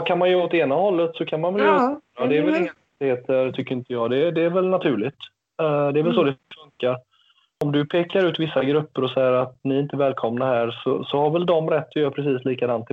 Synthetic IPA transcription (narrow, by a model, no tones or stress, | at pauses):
kʰanmanjɵot̪eːnahɔlːət̪sɔkʰanmanvɛljad̪ɛːɾvɛlɪŋaɛt̪ːɪheːt̪ʰəɾt̪ʰʏkːəɾɪnt̪əjɑːd̪ɛd̪ɛːɾvɛlnat̪ʰʉ̟ːɭɪt̪ | d̪ɛːɾvɛls̬ɔd̪ɛfɵŋkːaɾ | ɔmd̪ɵpʰeːkaɾʉ̟ːt̪vɪsːaɡɾɵpːəɾɔsɛjːəɾat̪nɪɪnt̪əvɛːlkʰɔmnahæːɾsɔsɔhaɾvɛld̪ɔmɾɛt̪ːɔjœːɾpʰɾɛs̬iːsliːkad̪ant̪ɪ